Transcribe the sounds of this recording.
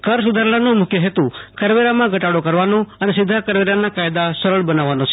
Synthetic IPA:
kəɾs̬ʊd̪ʱaɾɭanõmʊkʰjəɦet̪ũkəɾʋeɾamãɡʱəʈaɽokəɾʋanõənesɪd̪ʱːakəɾʋeɾanakajd̪asəɾəɭbənaʋanõt͡ʃʰe̥

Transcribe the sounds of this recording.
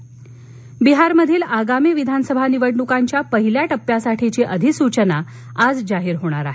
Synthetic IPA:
biɦaɾməd̪ʱiːlaɡamiːʋid̪ʱanəsəbʱaniʋəɽɳukaɲt͡ɕjapəɦiljaʈəpːjasaʈʰit͡ɕeʔəd̪ʱisut͡ɕəna | ad͡zd͡zaɦiːɾɦoɽ̃aɾa̰ɦe

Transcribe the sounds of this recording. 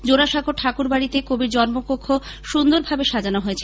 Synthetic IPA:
d͡ʑoɾaʃaɡoʈʰakuɾbaɽit̪ekobiɾd͡ʑɔnmopokʰːo | ʃund̪oɾbʱabeʃad͡ʑanoɦoet͡ɕʰe

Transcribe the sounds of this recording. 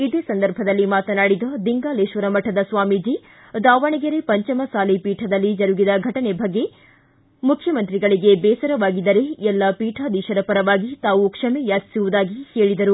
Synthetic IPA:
id̪eːsɐnd̪ɐɾbʱɐd̪ɐlːimaːt̪ɐnaːɽid̪ɐd̪iŋɡaːleːʃʋɐɾɐmɐʈʰːɐd̪ɐsʋaːmid͡ʒi | d̪aːʋɐɳɐɡɐɾepɐɲt͡ʃɐmɐsaːlipiːʈʰɐd̪ɐlːid͡ʒɐɾuɡid̪ɐɡʱɐʈɐnebʱɐɡːe̞ | mukʰːjɐmɐnt̪ɾiɡɐɭiɡe̞bɛːsɐɾɐʋaːɡid̪ɐɾe̞ɛlːɐpiːʈʰaːd̪iːʃɐɾɐpɐɾɐʋaːɡit̪aːʋukʂɐmejaːt͡ʃi̥suʋud̪aːɡiheːɭid̪ɐɾu

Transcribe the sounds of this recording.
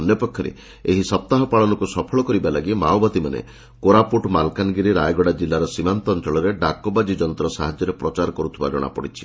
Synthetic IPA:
ɔnjɔpɔkʰːɔɾḛ | eɦisɔp̚t̪aɦɔpaɭɔnɔkusɔpʰɔɭɔkɔɾibalaɡimawbɔt̪imanḛ | koɾapuʈmalkanɡiɾiɾajɡɔɽad͡ʒilːaɾɔsimant̪ɔːnt͡ʃɔɭɔɾeɖakɔbad͡ʒid͡ʒɔnt̪ɾɔsaɦad͡ʒjɔɾepɾɔt͡ʃaɾɔkɔɾut̪ʰibad͡ʒɔɽ̃a̰pɔ̰ɽit͡ʃʰi̥

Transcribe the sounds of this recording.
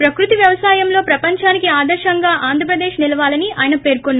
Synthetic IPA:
pɾɐkɾut̪iʋjɐʋɐsaːjɐmlo̞ːpɾɐpɐɲt͡ʃaːnikiaːd̪ɐɾʃɐŋɡaːʔaːnd̪ʱɾɐpɾɐd̪e̞ːʃnilɐʋaːlɐniaːjɐnɐpe̞ːɾkonːa

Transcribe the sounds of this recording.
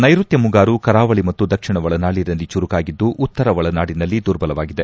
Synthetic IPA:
nɐjɾut̪jɐmuɡaːɾukɐɾaːʋɐɭimɐt̪ːud̪ɐkʂiɳɐʋɐɭɐnaːɭiɾɐlːit͡ʃuɾukaːɡid̪ːuʔut̪ːɐɾɐʋɐɭɐnaːɽinɐlːid̪uɾbɐlɐʋaːɡid̪e

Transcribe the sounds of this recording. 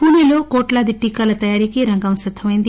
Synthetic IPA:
puːliloːkoːʈlaːd̪iʈːiːkaːlɐt̪ɐjaːɾikiɾɐŋɡɐmsɐt̪ʰːɐmɐjnd̪i

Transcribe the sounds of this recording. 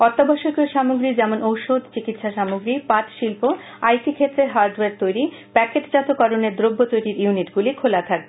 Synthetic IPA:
ɔɾt̪ːobʱaʃokioʃamoɡɾid͡ʑɛmonowʃod̪t͡ɕikit̪ʃaʃamoɡɾipat̪ʃilpo | ajsikʰet̪ːɾeɦaɾɖweɾt̪ojɾi | pɛkeʈd͡ʑat̪okɔɾoneɾd̪ɾobʱːot̪ojɾiɾjuniʈɡulikʰolat̪ʰakbe

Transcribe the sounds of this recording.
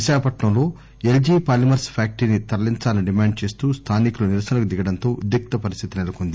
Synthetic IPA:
iʃaːkɐpɐʈɳɐmlo̞ː | eld͡ʒiːpaːlimɐɾspʰaːk̚ʈinit̪ɐliɲt͡ʃaːlɐniɖimaːɳɖ̚t͡ʃe̞ːst̪uːst̪ʰaːnikuluniɾɐsɐnɐkud̪iɡɐɽɐnt̪o̞ːʔud̪jɐk̚t̪ɐpɐɾist̪ʰit̪inɛlɐkond̪i

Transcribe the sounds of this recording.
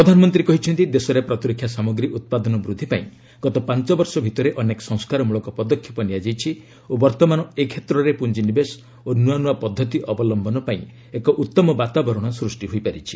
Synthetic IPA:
pɾɔd̪ʱanɔmɔnt̪ɾikɔɦit͡ʃʰɔnt̪id̪esɔɾepɾɔt̪ɾikʰjasamɔɡɾiʔut̪̚pad̪ɔnɔbɾud̪ʱipaĩ | ɡ̥ɔt̪ɔpant͡ʃɔbɔɾsɔbʱit̪ɔɾeʔɔnekɔ̥sɔŋskaɾɔmuɭɔkɔpɔd̪ɔkʰːi̥pɔnijad͡ʒajt͡ʃʰi | obɔɾt̪ɔmanɔekʰet̪ɾɔɾepund͡ʒinibes | onuanuapɔd̪ʱːɔt̪iʔɔbɔlɔmbʱɔnɔpaĩ | ekɔʔut̪ːɔmɔbat̪abɔɾɔɽ̃ɔsɾusʈiɦoipaɾit͡ʃʰi̥

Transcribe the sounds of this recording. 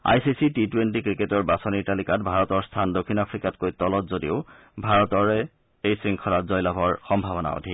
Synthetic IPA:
a̰jsisititwentikɹiketɔɹbasonitalikatbʱaɹɔtɔɹstʰandokʰːinapʰɹikatkojtɔlɔtzodiʊ | bʱaɹɔtɔɹɛ | ejsɹiŋkʰɔɾatzɔjlabʱɔɹxɔmbʱaβɔna̰o̰dʱi

